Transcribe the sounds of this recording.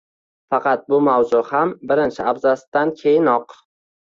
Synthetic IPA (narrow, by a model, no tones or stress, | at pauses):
fɑqʰɑt̪̚bʊmawzʊhambɪɾɪnt͡ʃʰɪabzasd̪ankʲʰe̞jɪnɒq